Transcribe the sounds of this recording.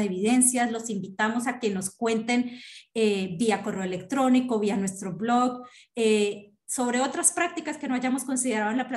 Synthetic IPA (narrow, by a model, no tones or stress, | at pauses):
eβiðe̞nsjazlo̞simbit̪amo̞sake̞no̞skwe̞nt̪e̞nebiako̞re̞oelekt̪ɾo̞niko̞βianwe̞st̪ɾo̞βlo̞ɡe | so̞βɾe̞o̞t̪ɾaspɾak̚t̪ikaske̞no̞aʝamo̞sko̞nsiðe̞ɾaðenlapla